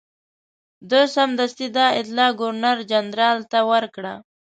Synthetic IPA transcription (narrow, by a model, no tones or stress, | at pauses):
d̪osamd̪ast̪id̪ɑɪt̪lɑɡʊɾnaɾd͡ʒand̪ɾɑlt̪awəɾkɽa